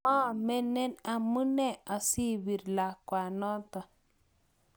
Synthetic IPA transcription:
ã˦˨me˦ne˦na˧mɨ˦ne˦˨a˧si˦bi˨ɾla˨kʷa˨nɔ˦t̪a˨

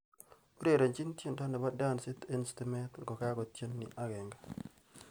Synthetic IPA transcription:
o˦ɾe˦˨ɾe˨nt͡ʃi˦n˦tje˦nda˦na˨ba˦da˦˨nsɪ˦t̪i˦nstɪ˦mɛ˦t̪ŋɡɔ˨ka˦kɔ˨tje˦nːḭ˨ʔa˦ɡɛ˨ŋɡa˨

